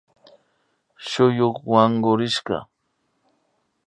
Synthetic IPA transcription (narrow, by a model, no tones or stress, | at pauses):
ʃʊjoχwaɴɢʊɾɪʃɢɑ̰